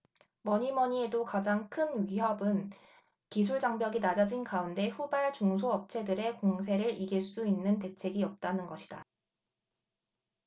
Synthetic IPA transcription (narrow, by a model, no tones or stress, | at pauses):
mʌɲimʌɲie̞dokad͡ʑaŋkʰɯnɥiɦʌbɯn | kis̬ʰuɭd͡ʑaŋbjʌɡinad͡ʑad͡ʑinkaunde̞ɸubaɭt͡ɕoŋsʰoʌp̚t͡ɕʰe̞dɯɾe̞koŋs̬ʰe̞ɾɯɾiɡiɭs͈uinːɯnte̞t͡ɕʰe̞ɡiʌp̚t͈anɯnɡʌɕʰi̥d̥a̰